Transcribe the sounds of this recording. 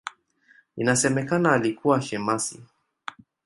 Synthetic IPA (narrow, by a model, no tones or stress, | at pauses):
inasɛmɛkanaːlikuwaʃɛmasḭ